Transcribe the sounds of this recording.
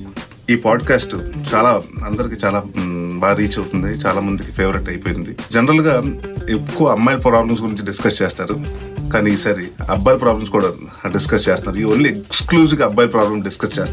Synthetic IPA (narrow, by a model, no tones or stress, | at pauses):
iːpaːɖkaːsʈt͡ʃaːlaːɐnd̪ɐɾikiːt͡ʃaːlaːʋaːɾiːt͡ʃɐwt̪und̪it͡ʃaːlaːmɐnd̪iki̥pʰeːʋɐɾiʈɐjpoːjind̪id͡ʒɛnɐɾɐlɡaːekːuʋɐɐmːɐjlpɾaːblɐms̬ɡuɾiɲt͡ʃiɖiskɐst͡ʃeːst̪aːɾu | kaːniːsaːɾiɐ̰bːajlpɾaːblɐmskuːɽaː | ɖiskɐst͡ʃeːst̪ɐnaːɾuiʋɐnːiekkskluːs̬iɡɐbːaːjlpɾaːblɐmɖiskɐst͡ʃeːst̪